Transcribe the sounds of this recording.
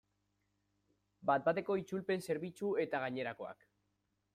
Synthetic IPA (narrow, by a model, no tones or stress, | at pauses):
bat̪̚bat̪e̞ko̞it͡ʃulpe̞nse̞ɾβ̞it͡ʃue̞t̪aɣ̞aɲe̞ɾako̞a̰k